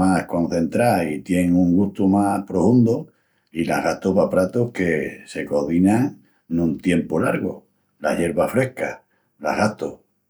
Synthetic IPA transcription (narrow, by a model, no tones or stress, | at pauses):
ahkõ̞n̟θẽ̞nt̪ɾait̪je̞ŋuŋɡut̪umahpɾofund̪o | ila̰ɣat̪oβapɾat̪ohke̞se̞ko̞ðinaŋ | nũnt̪je̞mpolaɾɣo̰ | la̰ʎe̞ɾβafɾe̞hka | la̰ɦɣat̪o